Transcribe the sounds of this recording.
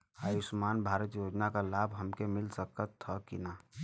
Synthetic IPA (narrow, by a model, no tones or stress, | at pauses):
ajusmanbʱaɾət̪jod͡ʒnakalabɦəmkemilsəkət̪ʰːəkina